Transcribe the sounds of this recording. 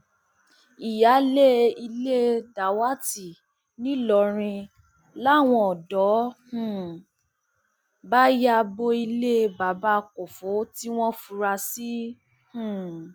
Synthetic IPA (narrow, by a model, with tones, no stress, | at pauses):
i˨ja˨˦le˦i˧le˦da˨wa˦ti˨ | nĩ˨˦lɔ˨ɾ̃ĩ˧ | la˦˨w̃ɔ̃˧ɔ˨dɔ˨˦hũ˨ | ba˦ja˧bo˧i˧le˦ba˨ba˦˧ko˨fo˨˦ti˦w̃ɔ̃˦fu˧ɾa˧si˦ | hũ˦˨